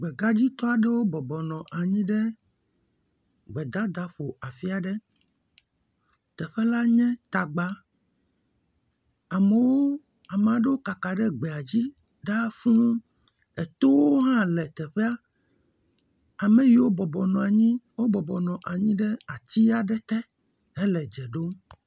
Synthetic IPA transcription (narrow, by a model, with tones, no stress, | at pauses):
ɡ͡bɛ˨ɡa˦d͡ʑi˦t̪ɔ˦a˨ɖe˦wo˦bɔ˨bɔ˨nɔ̃˨ʔa˨ɲĩ˦ɖɛ˦ | ɡ͡bɛ˨d̪a˦d̪a˦ɸo˨ʔa˨fi˦a˨ɖɛ˦ | t̪ɛ˨ɸɛ˦la˦ɲɛ̃˦t̪a˨ɡ͡ba˦ | a˨me˨wo˦ | a˨m˨ã˨ɖe˦wo˦ka˨ka˨ɖɛ˦ɡ͡bɛ˨a˨d͡ʑi˦ | ɖa˦fũ˦ | ɛ˨t̪o˦wo˦ɦã˦lɛ˨t̪ɛ˨ɸɛ˦a˦ | a˨mɛ̃˨ji˨wo˦bɔ˨bɔ˨nɔ̃˨a˨ɲĩ˦wo˦bɔ˨bɔ˨nɔ̃˨ʔa˨ɲĩ˦ɖɛ˦a˨t̪i˦a˨ɖɛ˦t̪ɛ˦ | ɦɛ˦lɛ˨d͡ʒɛ˨ɖo˦